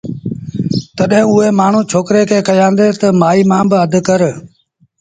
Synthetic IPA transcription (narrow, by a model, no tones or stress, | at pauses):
t̪ɐɗɦɪ̃ʊɦeːmaːɳ̤uːt͡ʃʰoːkɾekʰeːkɐjãːnd̪eːt̪ɐmaːiːmãːbɪɐd̪ʱʊ̆kɐɾ